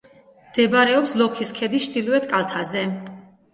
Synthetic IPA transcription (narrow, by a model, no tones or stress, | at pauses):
md̪̥ɛbaɾɛɔpslˠɔkʰiskʰɛd̪iʃd̪ilɛt̪ʼkʼalˠt̪ʰazɛ